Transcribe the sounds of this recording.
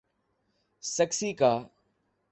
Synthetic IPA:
səksiːkaː

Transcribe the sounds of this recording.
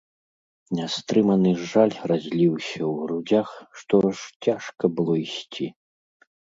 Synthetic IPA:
nʲast̪ɾɨmɐnɨʐalʲrazʲlʲiwsʲɐwɾud͡zʲaxʂt̪ɔʂt͡sʲaʂkɐbɨlˠɔisʲt͡sʲi

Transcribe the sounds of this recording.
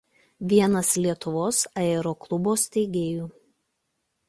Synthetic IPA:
ʋʲiɛnɐslʲiɛt̪ʊʋoːsɐɛːɾoːklˠʊboːst̪ʲɛɪɡʲeːjuː

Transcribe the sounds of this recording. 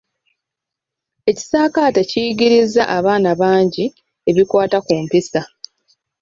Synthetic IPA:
e̞ci̥saːkaːteciɡiɾizːa̰ʔaβaːnaβaːɲɟi | e̞βikwaːtakuːmpisa

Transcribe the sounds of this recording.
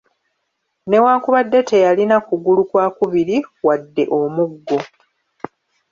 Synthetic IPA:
ne̞waːkuβadːe̞te̞jalinakuɡulukwaːkuβiɾiwadːe̞ʔo̞muɡːo̞

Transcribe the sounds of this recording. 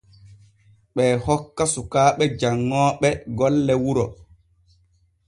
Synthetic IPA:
ɓɛːhɔkːasukaːɓɛd͡ʒaŋːɔːɓɛɡɔlːɛwuɾɔ

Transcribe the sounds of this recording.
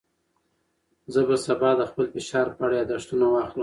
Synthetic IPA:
zəbasabɑd̪əxpəlfɪʃɑɾpaɽjɑd̪aʂt̪unawɑxləm

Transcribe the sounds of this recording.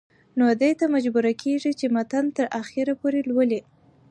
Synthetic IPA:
nod̪əjt̪amad͡ʒbuɾakʰeʐit͡ʃemat̪ant̪əɾaxeɾapoɾelwəli

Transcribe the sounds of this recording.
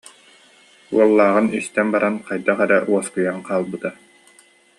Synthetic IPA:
ṵɔlˠːaːʁɯnyst̪ɛnbaɾanqajd̪aχɛɾɛʔuɔskɯjanqaːlˠbɯt̪a

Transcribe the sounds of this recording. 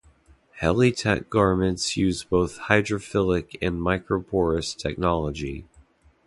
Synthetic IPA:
hɛlˠitʰæ̰k̚ɡ̥ɑɹmɨ̃ntsjʉzboʊθhaɪdɹɨfɪlˠɪkʰɨ̃nmaɪkɹopʰɔɹɨstʰɛk̚nɑlˠəd͡ʒi

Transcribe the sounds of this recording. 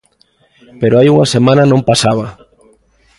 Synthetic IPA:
peɾoajuŋasemãnɐnõmpasaβɐ

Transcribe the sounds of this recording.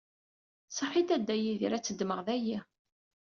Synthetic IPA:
sˤəħid̪æd̪ːæjiðiɾæt͡sːəd̪məʁðæji

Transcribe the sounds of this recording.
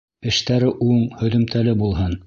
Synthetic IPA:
ɘ̆ʃt̪æɾɘʔuɴhɵ̆ðɵ̆mt̪ʰælɘbulˠɦɤn

